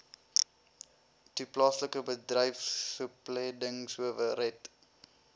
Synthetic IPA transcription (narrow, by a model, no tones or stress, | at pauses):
tuplɑːsləkəbədrəjfsəplɛdəŋsəvəɾɛt